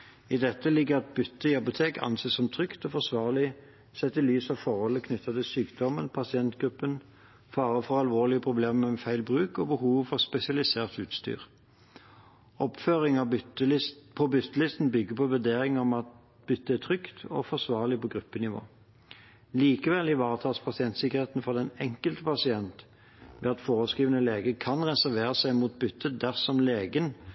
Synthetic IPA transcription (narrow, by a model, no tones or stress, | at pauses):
ɪd̪ɛt̪ːəlɪɡːəʁɑt̪̚bʏt̪ːəɪɑpʊt̪ʰeːkɑ̰nseːsɔmt̪ʰʁʏkt̪ɔːfɔʁsʋɑːʁlɪ | sɛt̪ʰɪlyːsɑʋfɔʁhɔlːəkʰnʏt̪ːɑt̪ʰɪlsyːkd̪ɔmənpʰɑsɪɛnt̪ɡ̥ʁʉpːən | fɑːʁəfɔʁɑlʋoːʁlɪəpʰʁʊbleːməmɛfæɪlbʁʉːkɔbəhuːʋfɔʁspɛsɪɑlɪseːʁt̪ʉːt̪st̪y̰ːʁ | ɔpføːʁɪŋɑ | pʰɔbʏt̪ʰːəlɪst̪n̩bʏɡːəpʰɔʋʉd̪eːʁɪŋɔmɑt̪ | bʏt̪ːəæt̪ʰʁʏkt̪ʰɔ̰fɔʁsʋɑːʁlɪpɔɡʁʉpːənɪʋo̰ː | liːkəʋɛlɪʋɑːʁət̪ʰɑːspʰɑsɪɛnt̪sɪkəʁheːt̪n̩fɔʁd̪ɛnɛŋkəlt̪əpʰɑsɪɛnt̪ | mɛ̰ɑt̪foːʁəskiːʋənəleːɡəkʰɑnʁɛsæʁʋeːʁəsæɪmuːt̪̚bʏt̪ʰːəd̪æʁsɔmleːɡən